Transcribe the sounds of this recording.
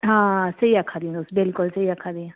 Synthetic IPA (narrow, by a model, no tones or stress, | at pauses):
ɦãsɐiakʰaːd̪iãd̪oːsbɪlkʊlsɐiakʰad̪iãː